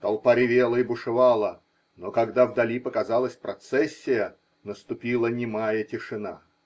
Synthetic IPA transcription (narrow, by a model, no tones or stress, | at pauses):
t̪ɐlˠpaɾʲɪvʲelˠəɪbʊʂɨvɑlˠə | nokɐɡd̪avd̪ɐlʲipəkɐzɑlˠəsʲpɾɐt̪sɛsʲːɪjə | nəst̪ʊpʲilˠənʲɪmajətʲɪʂɨna̰